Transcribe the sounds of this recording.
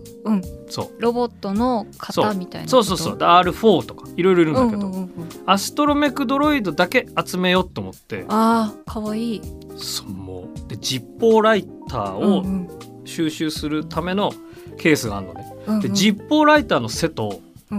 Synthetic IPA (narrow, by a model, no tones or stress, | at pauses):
ɯ̟̃ɴso̞̰ːɾobot̪ːonokʰḁsomʲit̪a̰ḭnso̞ːso̞ːsoːd̪eaːɾɯ̟ɸo̞ːt̪o̞̥kḁiɾo̞jɾo̞iɾɯ̟ñkeõasɨ̥t̪o̞ɾo̞mekɯ̟d̪o̞ɾo̞id̪o̞d̪ake̞at͡sɨme̞jo̞t̪ːe̞omot̪ːe̞̰akʰaβaiː | so̥mo̰ːd̪̥e̞d͡ʑipːo̞ːɾait̪ʰa̰ːo | ɕɨːɕɨːsɨɾɯ̟t̪ʰame̞no̞ | kʰe̞ːsɨɡaːɾɯno̰ne | ɯ̃d̪e̞d͡ʑipːo̞ːɾait̪aːno̞se̞t̪o̞